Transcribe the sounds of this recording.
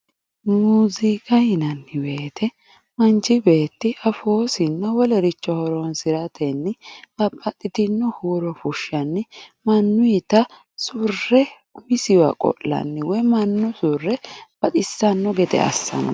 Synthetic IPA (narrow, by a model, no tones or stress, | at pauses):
muːzɪkʼɐjɪnɐnːɪbe̞ːt̪ʰɛ | mɐnt͡ʃːɪbe̞ːt̪ːɪɐfoːsɪnːɐwɔlɛɾɪt͡ʃːɔhɔɾɔnsɪɾɐt̪ʰɛnːɪɐpʼːɐt̪ʼːɪt̪ɪnːɔhuːɾɔfʊʃːɐnːɪmɐnːʊjɪt̪ɐ | sʊrːɛ | mɪsɪwɐ̰kʼɔ̰lːɐ̰nːɪwɔjmɐnːʊsʊrːɛb̥ɐt̪ʼɪsːɐnːɔɡɛt̪ɛ̰ɐ̰sːɐ̰n